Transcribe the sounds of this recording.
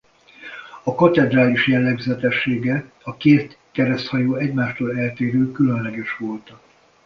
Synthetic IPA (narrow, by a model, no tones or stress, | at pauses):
ɒkɒt̪ɛd̪raːliʃjɛlːɛɡzɛt̪ɛʃːeːɡɛ | ɒkeːt̪ | kɛɾɛst̪hɒjoːɛɟmaːʃt̪oːlɛlt̪eːɾøːkylønlɛɡɛʃʋo̞lt̪ɒ